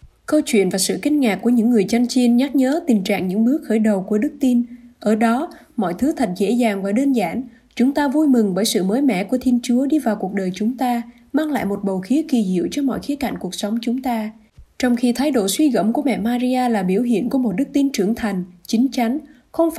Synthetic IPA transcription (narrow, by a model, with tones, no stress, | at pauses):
kə˧wt͡ɕwḭ˧˨ənvaː˨˩sɨ̰˧˨kï˧ŋ̟ŋaː˨˩kːu˧˩əɲɨ̰˧˥ŋːɨ˨˩əjt͡ɕa˧ŋt͡ɕi˧nɲa˦˥t̚ɲəː˨˦t̪ï˨˩ŋ̟t͡ɕa̰ː˧˨ŋɲɨ̰˧˥ŋɓɨ˦˥ək̚xəː˧˩jɗə˨˩wku˧˩əɗɨ˦˥k̚t̪i˧nʔəː˧˩ɗɔ˨˦ | mɔ̰˧˨jt̪ʰɨ˨˦t̪ʰa˨˩jt̚zḛ˧˥zaː˨˩ŋvaː˨˩ɗə˧nzaː˧˩n | t͡ɕʊ˨˦ŋ͡mt̪aː˧vu˧jmɨ˨˩ŋɓəː˧˩jsɨ̰˧˨məː˨˦jmɛ̰˧˥ku˧˩ət̪ʰi˧ənt͡ɕu˨˦əɗi˧vaː˨˩wku˨˩ək̚ɗəː˨˩jt͡ɕʊ˨˦ŋ͡mt̪aː˧ | maː˧ŋla̰ː˧˨jmo˨˩t̚ɓə˨˩wxi˨˦əki˨˩hḭ˧˨əwt͡ɕɔ˧mɔ̰˧˨jxi˨˦ka̰˧˩jŋ̟ku˨˩ək̚sə˨˦wŋ͡mt͡ɕʊ˨˦ŋ͡mt̪aː˧ | t͡ɕɔ˧wŋ͡mxi˧t̪ʰaː˨˦jɗo̰˧˩swi˧ɣə̰˧˥mku˧˩əmɛ̰˧˨maː˧zi˧ʔaː˧laː˨˩ɓi˧˩əwɦḭ˧˨ənku˧˩əmo˨˩t̚ɗɨ˦˥k̚t̪i˧nt͡ɕɨ˧˩əŋt̪ʰa˨˩jŋ̟t͡ɕï˨˦ŋ̟t͡ɕa˨˦ŋ̟ | xə˧wŋ͡mf